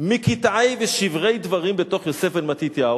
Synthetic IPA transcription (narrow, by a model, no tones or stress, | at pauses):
mikit̪ajveʃivʁe̞jd̪vaʁimbet̪o̞χjose̞felmat̪it̪ja